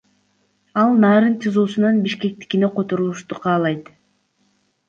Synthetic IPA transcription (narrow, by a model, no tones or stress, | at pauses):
ɑlˠnɑːɾɯnt͡ʃʰɯzuːsunɑnbiʃke̞k̚t̪i̥kine̞qʰo̞t̪o̞ɾulˠuʃt̪uqʰɑːlˠɑjt̪